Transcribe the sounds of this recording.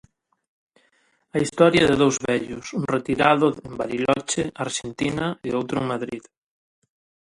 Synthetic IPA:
ɐist̪ɔɾjɐðɪðowzβɛʎʊsuŋret̪iɾaðʊembaɾilɔt͡ʃɪaɾʃent̪inɐeowt̪ɾʊeŋmaðɾið

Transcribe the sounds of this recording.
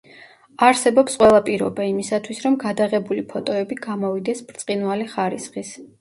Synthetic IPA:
aɾsɛbɔpsqʼwɛlˠapʼiɾɔ̰baimisat̪ʰwisɾɔmɡad̪aʁɛbulipʰɔt̪ʼɔɛbiɡamɔvid̪ɛsbɾt̪sʼqʼinvaliχaɾisχis

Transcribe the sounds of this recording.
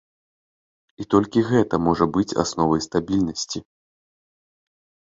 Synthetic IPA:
it̪ɔlʲkʲiɣɛt̪ɐmɔʐɐbɨt͡sʲa̰snɔvɐjst̪abʲilʲnɐsʲt͡sʲi

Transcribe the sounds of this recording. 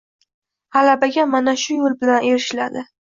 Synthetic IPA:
halabaɡʲamanaʃʊjolbɪlaneɾɪʃlad̪ɪ

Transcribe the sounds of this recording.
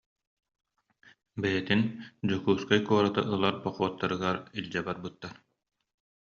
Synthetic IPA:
bɛjɛt̪ind͡ʑukuːskajkuɔɾat̪a̰ʔɯlˠaɾbɔχuɔt̪ːaɾɯɡaɾilʲd͡ʑɛbaɾbɯt̪ːaɾ

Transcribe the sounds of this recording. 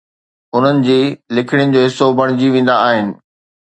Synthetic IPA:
ʊn̤ənɪ̆d͡ʑiːlɪkʰɪɽ̃ɪʊnɪ̆d͡ʑoːɦɪsːobʱɐɽ̃ɪd͡ʑiʋẽːn̆d̪aaːɦɪnɪ̆

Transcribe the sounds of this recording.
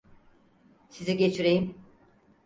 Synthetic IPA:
siziɟet͡ʃʰiɾejim

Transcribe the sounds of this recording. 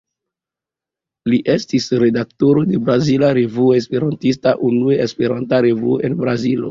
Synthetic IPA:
liʔe̞stisɾe̞daktoɾo̞de̞bɾazilaɾe̞vuoes̬pe̞ɾantis̬taʔunueespe̞ɾantaɾe̞vuoʔe̞nbɾazilo̰

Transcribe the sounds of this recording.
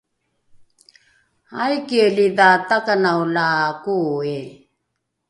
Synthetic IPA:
ajkieliðaːt̪akanaolakuːe

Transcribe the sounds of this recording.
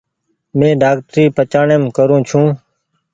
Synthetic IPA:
mẽːɖaːk̚ʈɾiːpət͡ʃaːɳeːmkəɾũːt͡ʃʰũː

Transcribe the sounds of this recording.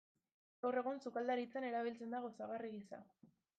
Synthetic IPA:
ɡawre̞ɣunsukald̪aɾit͡sane̞ɾaβ̞ilt͡se̞nd̪aɣosaɣariɣisa̰

